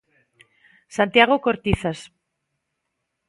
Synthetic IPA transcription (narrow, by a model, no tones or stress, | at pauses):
sant̪jaɣ̞okoɾt̪iθas